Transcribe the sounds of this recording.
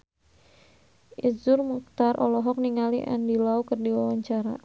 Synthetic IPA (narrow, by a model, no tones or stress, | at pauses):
ʔizʊrmuk̚t̪arʔɔlɔɦɔk̚niŋaliʔa̰ndilaukərdiwawaɲt͡ʃaɾa̰